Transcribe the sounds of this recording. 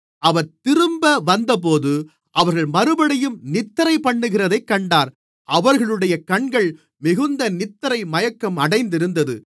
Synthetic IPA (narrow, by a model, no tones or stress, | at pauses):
ɐʋɐɾt̪ɪɾɯmbɐʋɐnd̪ɐp̬oːðɯ | ʔɐʋɐɾɣɐɭmɐɾɯbɐɽɐjɯmnɪt̪ːɐɾɐɪpɐɳːɯɣɪrɐðɐɪkːɐɳɖaːɾ | ʔɐʋɐɾɣɐɭɯɽɐjɐkɐɳɡɐɭ | mɪɣɯnd̪ɐnɪt̪ːɐɾɐɪmɐjɐkːɐmɐɽɐɪnd̪ɪɾɯnd̪ɐðɯ